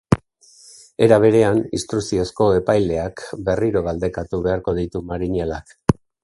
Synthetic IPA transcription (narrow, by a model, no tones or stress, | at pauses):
e̞ɾaβ̞e̞ɾe̞anist̪ɾusio̞sko̞e̞pajle̞akbe̞riɾo̞ɣald̪e̞kat̪uβe̞aɾko̞ðit̪umaɾiɲalak